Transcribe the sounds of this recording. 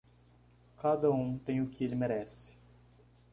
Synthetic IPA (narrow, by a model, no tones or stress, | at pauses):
kad̪ɐũmt̪ẽj̃ʊkɪelɪmeɾɛsɪ̥